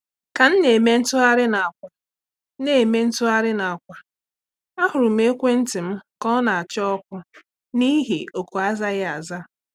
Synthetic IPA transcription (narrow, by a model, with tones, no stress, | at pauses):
ka˨n̩˦ne˨me˦n̩˦tʊ˦a˦ɾɪ˦na˨a˨kʷa˨˦ | ne˨me˦n̩˦tʊ˦a˦ɾɪ˦na˨a˨kʷa˨ | a˦hʊ˨ɾʊ˨m̩˦e˦kʷe˦n̩˦tɪ˨m̩˦kɔ˦na˨a˨t͡ʃɪ˦ɔ˦kʷʊ˦ | ni˦ɦḭ˨ʔo˨ku˨a˦za˦ɣɪ˦a˨za˦